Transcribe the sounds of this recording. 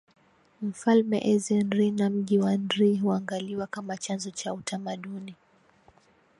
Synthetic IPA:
m̩falmɛ̰ʔɛzɛnɾinam̩ʄiwanɾiɦuaŋɡaliwakamat͡ʃanzɔt͡ʃautʰamaɗuni

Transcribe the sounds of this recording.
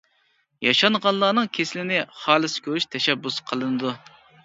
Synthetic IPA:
jɑʃɑnʁɑnlˠɑːnɨŋkʲʰeslɪnɪχɑːlˠɨsɪ̥kʲʰøɾyʃt̪ʰɛʃɛbːusqʰəlˠɨnɨd̪u

